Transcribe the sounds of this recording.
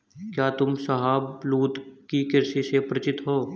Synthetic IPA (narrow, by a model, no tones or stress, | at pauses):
kjaːt̪ʊmsɐɦaːbluːt̪kikɪɾsisepɾɐt͡ʃɪt̪ɦoː